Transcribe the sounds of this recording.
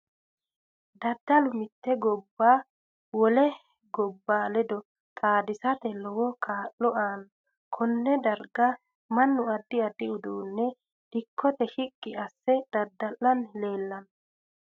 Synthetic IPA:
d̪ɐd̪ːɐlʊmɪt̪ːɛɡɔbːaː | wɔlɛ | ɡɔbːaːlɛd̪ɔ | t̪ʼaːd̪ɪsɐt̪ɛlɔwɔkʰaːʔːɔʔaːn | kʰɔnːɛd̪ɐɾɡɐ | mɐnːʊɐd̪ːɪɐd̪ɪʊd̪uːnːɛ | d̪̥ɪkʰːɔt̪ɛhɪkʼːɪɐsːɛd̪̥ɐd̪ːɐlːɐnleːlːɐn

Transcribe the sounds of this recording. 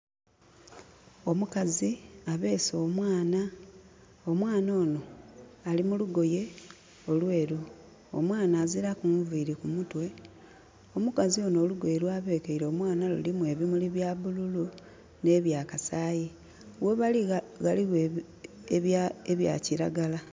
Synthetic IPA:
o̞mukaziaβe̞ːso̞ːmwaːna | o̞mwaːno̞ːno̞alimuluɡo̞je̞ | o̞lwe̞ːɾu | o̰mwaːnaːziɾakuvuːɾikumutwe̞ | o̞mukazio̞no̞ːluɡo̞jeɾwaːβe̞ːkeiɾo̞ːmwaːnalṵlimuwe̞ːβimuliβjaβululu | ne̞ːβjaːkasaːji | weβaliɣaliɣe | eβaeβja̰ːciɾaɡala

